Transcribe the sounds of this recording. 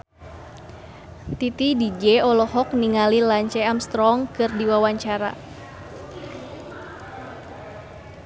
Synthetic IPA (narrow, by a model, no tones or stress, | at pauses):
t̪it̪idid͡ʒɛɔlɔhɔkniŋalilaɲt͡ʃɛamst̪ɾɔŋkɨrdiwawaɲt͡ʃaɾa̰